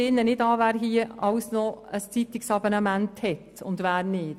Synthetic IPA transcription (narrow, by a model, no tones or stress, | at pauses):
ɪnːənɪdɑːʋæːɾɦiːəɑwsnɔəst͡sit̪ɪksɑbonɑmænthɛtʊndʋæːɾnɪːt